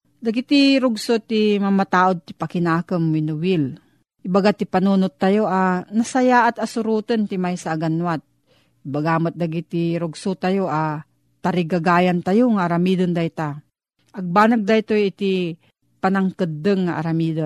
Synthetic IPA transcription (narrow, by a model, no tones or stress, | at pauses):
d̪aɡit̪iɾʊɡsot̪imamat̪aːʔod̪̚t̪ɪpakɪnaːkəmːɪnʊwɪl | ʔɪbaɡat̪ipanunʊt̪ːajoʔanɐsɐjaːʔat̪ɐsʊɾuːt̪ənt̪ɪmajsaʔːɡanwat̪̚ | ʔɪbaɡamot̪̚d̪aɡit̪iɾʊɡsut̪ajoʔa | t̪aɾɪɡaɡaːjant̪ajoŋaaɾamid̪ənd̪ajt̪a | ʔɐɡ̚baːnaɡ̚d̪ajt̪ojɪt̪i | panaŋkɨd̪ːəŋːaʔaɾamiːd̪o